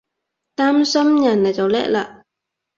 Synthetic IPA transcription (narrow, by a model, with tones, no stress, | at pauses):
t̪aː˥msɐ˥mjɐ˨˩na˨jt͡sɐ˨˩wlɛ̰ː˥k̚laː˧ʔ